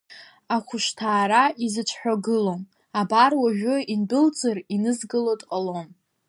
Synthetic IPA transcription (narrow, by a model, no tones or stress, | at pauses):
aχʷʊʃtʰaːɾaizɨt͡ʃʷʰħʷᶣaɡɨlo̞m | abarwaʒᶣʊinbɨlt͡sʼɨrinɨzɡɨlotʼqʼalom